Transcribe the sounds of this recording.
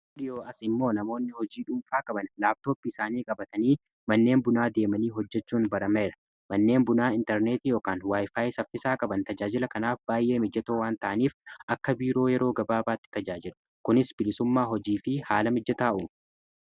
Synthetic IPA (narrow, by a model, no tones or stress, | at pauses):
ᶑɪjoːɐsɪmːo̞ːnɐmo̞ːnːɪhɔd͡ʒiːᶑʊmfaːkʼɐbɐnlaːb̚t̪o̞ːpːɪɪsaːniːkʼɐbɐt̪ɐniː | mɐnːe̞ːmbʊnaːd̪e̞ːmɐniːɦɔd͡ʒːɛt͡ʃːuːnbɐɾɐmɐɪɾɐ̥ | mɐnːe̞ːmbʊnaːɪnt̪ɛɾneːt̪ijoːkaːnwaːjfaːjsɐfːɪsaːkʼɐbɐnt̪ɐd͡ʒaːd͡ʒɪlɐkɐnaːfbaːjʔe̞ːmɪd͡ʒːɐt̪oːwaːnt̪ɐʔɐniːfʔɐkːɐbiːɾo̞ːjɛɾo̞ːɡɐbaːbaːt̪ːɪ̥t̪ɐd͡ʒaːd͡ʒɪlʊ | kʊnɪsbɪlɪsʊmːaːɦɔd͡ʒiːfɪha̰ːlɐmɪd͡ʒːɐt̪aːʔʊ